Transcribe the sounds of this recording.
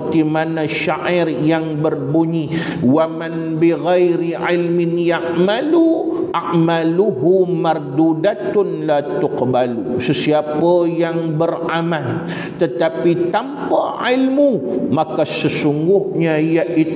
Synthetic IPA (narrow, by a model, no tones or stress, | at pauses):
t̪imanaʃaʔirjaŋbərbuɲi | waman | biɣajɾiʕɪlmɪnjaʔmaluʔaʔmaluɦumard̪udat̪ʊnlat̪ʊqbalusəsiapəjaŋbəramanl | t̪ət̪apit̪ampaʕɪlmumakasəsuŋɡʊhɲaijaʔi